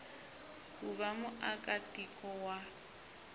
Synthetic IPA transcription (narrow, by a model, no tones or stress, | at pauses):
kʼuβamʊʔakʼatʼikʼɔwa